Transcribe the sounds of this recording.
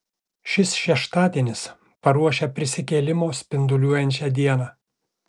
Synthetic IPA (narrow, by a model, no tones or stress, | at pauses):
ʃʲɪsʃʲɛʃt̪ɑːd̪ʲeːnʲɪs | pɐɾuɔʃʲeːpʲɾʲɪsʲɪkʲeːlʲɪmoːsʲpʲɪnd̪ʊlʲuɔjɛnʲt͡ʃʲɛd̪ʲiɛnɑː